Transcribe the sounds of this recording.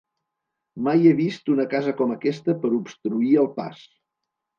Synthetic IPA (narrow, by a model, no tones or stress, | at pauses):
majeβist̪unəkazəkɔməkɛst̪əpəɾupst̪ɾuiəlˠpa̰s